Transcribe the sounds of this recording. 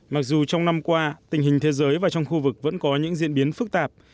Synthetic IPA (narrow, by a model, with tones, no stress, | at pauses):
ma˨˩k̚zu˨˩t͡ɕɔ˧wŋ͡mna˧mkwaː˧t̪ï˨˩ŋ̟hï˨˩ŋ̟t̪ʰe˨˦zəː˨˦jvaː˨˩t͡ɕɔ˧wŋ͡mxu˧vɨ˨˩k̚və̰˧˥nkɔ˨˦ɲɨ̰˧˥ŋzḭ˧˨ənɓi˨˦ənfɨ˦˥k̚t̪aː˨˩p̚